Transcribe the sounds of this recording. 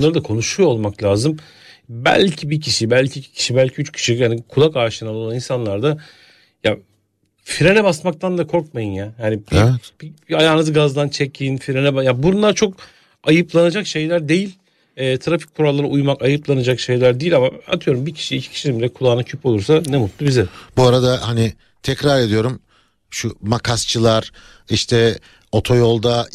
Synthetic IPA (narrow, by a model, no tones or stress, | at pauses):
nˠaɾɯd̪akʰo̞nuʃujoolˠmaklʲaːzɯm | bæ̰lʲcʰibicʰiʃibælʲcʰiːcʰi̥cʰi̥ʃibælʲcʰiyt͡ʃcʰi̥ʃihanikʰulˠakaːʃɯnanˠo̞lˠaninsanlˠaɾd̪a | ja | fiɾenɛbasmak̚t̪ʰand̪akʰo̞ɾkmajɯnjahanibibiajaːnɯzɯɡazd̪ant͡ʃʰecʰinfiɾenɛbajabuɾunlˠaɾt͡ʃʰo̞k | ajɯplˠanad͡ʒakʃe̞jlʲæɾd̪e̞jilʲ | ɛːt̪ʰɾafi̥c̚ʲkʰːuɾalˠːaɾaujmakajɯplˠanad͡ʒakʃe̞jlʲæɾd̪ejilʲamaa̰t̪ʰɯjo̞ɾumbicʰi̥ʃiicʰcʰi̥ʃinimbilʲɛkʰulˠaːnacʰypo̞lˠuɾsanɛmut̪lˠubizɛbuaɾad̪ahani | t̪ʰɛcɾaɾe̞d̪ijo̞ɾum | ʃumakʰast͡ʃʰɯlˠaɾ̥ | iʃt̪ʰɛ | o̞t̪ʰo̞jo̞lˠd̪a